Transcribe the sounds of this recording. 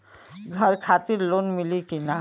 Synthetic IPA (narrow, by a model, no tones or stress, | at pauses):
ɡʱɐɾkʰaːt̪ɪɾloːnmɪlikina